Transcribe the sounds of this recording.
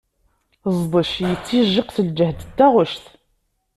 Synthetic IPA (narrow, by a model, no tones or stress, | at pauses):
zˤðˤəʃjət͡sːiʒːəqθəld͡ʒəhd̪d̪ːæʁʊʃθ